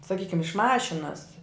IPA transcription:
sɐˈkʲiːkʲɪm ɪʃ ˈmɑːʃʲɪnɐs

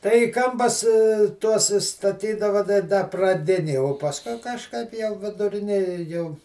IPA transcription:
ˈtɐɪ iː ˈkɐmpɐs ˈtuɔs ɪ stɐˈtʲiːdɐʋɐ tɐɪ ˈdɐ prɐˈdʲɪnʲeːj oː pɐsˈkʊɪ kɐʃˈkɐɪp jɛʊ ʋʲɪdʊˈrʲɪnʲeːjɛ jɛʊ

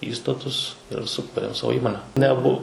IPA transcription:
ˈiːstɐtʊs ɪr sʊˈkuːrʲeːm ˈsɑːʋoː ˈiːmoːnʲɛ nʲɛˈbʊ

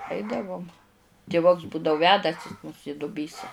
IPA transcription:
ˈɐɪdɐʋʊm tʲɪˈʋʊks ˈbuːdɐʊ ˈʋʲæːdɐsʲɪ mʊs ɪ dʊˈbʲiːsɐ

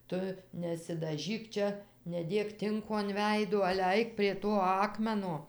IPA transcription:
ˈtʊ nʲɛsʲɪdɐˈʒʲiːk ˈt͡ʃʲɛ nʲɛˈdʲeːk ˈtʲɪŋkoː ɐn ˈʋʲɛɪduɔ ɐlʲɛ ˈɐɪk pʲrʲiɛ ˈtoː ˈɑːkmʲɛnoː

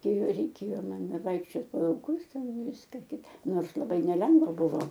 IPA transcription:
ˈkɐɪ rʲɛɪˈkʲeːjoː ɐˈnɐ ˈʋɐɪkʃʲt͡ʃʲoːt poː lˠɐʊˈkʊs ˈtʲɛn ˈʋʲɪskɐ ˈkʲɪtɐ ˈnoːrs lˠɐˈbɐɪ nʲɛˈlʲɛŋɡʋɐ ˈbʊʋoː

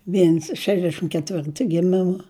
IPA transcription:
ˈʋʲiɛns ˈʃʲæːʒʲdʲɛʃʲɪm kʲɛˈtʲʋʲɪrtʊ ɡʲɪˈmʲɪmɐ

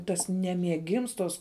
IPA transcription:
tɐs ˈnʲæːmʲiɛɡʲɪms toːs

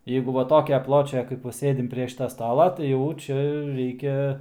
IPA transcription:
ˈjɛɪɡʊ ʋɐ ˈtoːkʲɛ ˈplˠoːt͡ʃʲɛ kɐɪp ˈʋɐ ˈsʲeːdʲɪm pʲrʲiɛ ˈʃʲɪtɐ ˈstɑːlˠɐ tɐɪ ˈjɛʊ ˈt͡ʃʲɛ ˈrʲɛɪkʲɛ

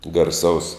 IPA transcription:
ɡɐrˈsɐʊs

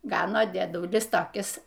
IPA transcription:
ˈɡɑːnoː dʲiɛˈdʊlʲɪs toːˈkʲɪs

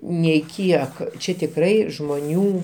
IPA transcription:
nʲɛɪˈkʲiɛk ˈt͡ʃʲɛ tʲɪkˈrɐɪ ʒmoːˈnʲuː

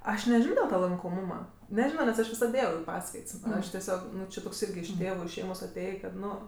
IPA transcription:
ˈɐʃ nʲɛˈʒʲɪnoː dʲɪlˠ ˈtɑː lˠɐŋkoːˈmuːmɐ nʲɛˈʒʲɪnoː nʲɛs ˈɐʃ ʋʲɪˈsɐt ˈeːjɛʊ ɪ ˈpɑːskɐɪts ˈɐʃ tʲɛˈsʲoːk ˈnʊ t͡ʃʲɪ toːks ˈɪrʲɡʲɪ ɪʃ ˈtʲeːʋʊ ɪʃ ˈʃʲɛɪmoːs ɐˈtʲeːjeː kɐt ˈnʊ

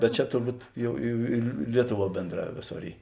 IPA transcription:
bʲɛt ˈt͡ʃʲɛ tʊrˈbuːt ˈjɛʊ ɪ ɪ ˈlʲiɛtʊˌʋuɔ ˈbʲeːndˌrɑː ˈʋʲeːˌsoːr ˈiː

